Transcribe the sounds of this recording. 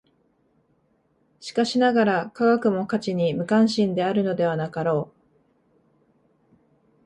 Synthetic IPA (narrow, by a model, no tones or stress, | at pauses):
ɕi̥kaɕinaɡaɾakaɡakɯ̟mo̞kat͡ɕiɲ̟imɯ̟kãɰ̃ɕĩnd̪e̞aɾɯ̟no̞d̪e̞β̞anakaɾo̞ː